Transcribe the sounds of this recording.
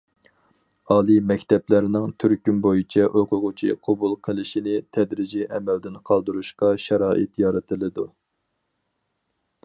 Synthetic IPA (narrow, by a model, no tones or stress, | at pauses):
ɑːlˠɨmɛkʲt̪ɛplæɾnɪŋt̪ʰyɾkʲynbojit͡ʃʰɛʔoqʰʊʁʊt͡ʃʰḭqʰɑbulˠqʰəlˠɨʃinɪt̪ʰɛd̪ɾɪd͡ʒiʔɛmɛld̪ɪnqʰɑlˠd̪uɾuʃqɑʃɑɾɑːʔɪt̪jɑɾɨt̪ʰɨlˠɨd̪u